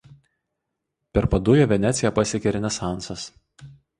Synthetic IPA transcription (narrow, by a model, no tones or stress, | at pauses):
pʲɛɾpɐd̪ʊjoːʋʲɛnʲæt̪sʲɪjɛpɐsʲɪkʲɛɾʲɪnʲɛsɑˑnˑsɐs